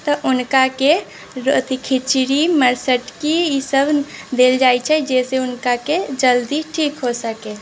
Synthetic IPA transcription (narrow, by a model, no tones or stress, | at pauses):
t̪ɔʔunkake | ɾot̪ikʰit͡ʃɾiməɾsəʈkiisəbʱd̪eld͡ʒajt͡ʃʰɛd͡ʒeseunkaked͡ʒəld̪iʈʰikɦosəke